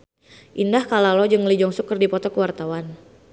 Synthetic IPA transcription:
ʔindahkalalɔd͡ʒɨŋlid͡ʒɔŋsukərdipɔt̪ɔkəwart̪awan

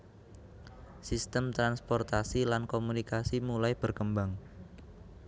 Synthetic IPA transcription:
sist̪əmt̪ɾanspɔrt̪asilankomunikasimulajb̥ərkəmbaŋ

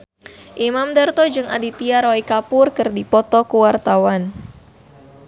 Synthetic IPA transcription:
ʔimamdart̪ɔd͡ʒɨŋa̰dit̪iaɾoikapʊrkɨrdipɔt̪ɔkuwart̪awan

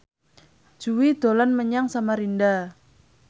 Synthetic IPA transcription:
d͡ʒ̥uwid̪̥olanməɲaŋsamaɾinda

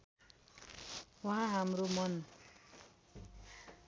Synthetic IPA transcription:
wʌɦãɦamɾomʌn

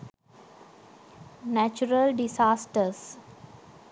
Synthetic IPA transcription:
næt͡ʃuɾəlɖisaːsʈəɾs

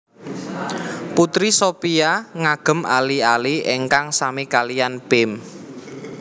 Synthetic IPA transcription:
put̪ɾisopiaŋaɡ̥ə̤malialieŋkaŋsamikalijanpɪm

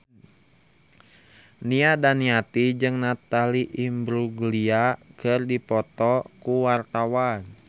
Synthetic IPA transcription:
niadaniat̪id͡ʒɨŋnat̪aliʔimbɾuɡliakɨrdipɔt̪ɔkuwart̪awan

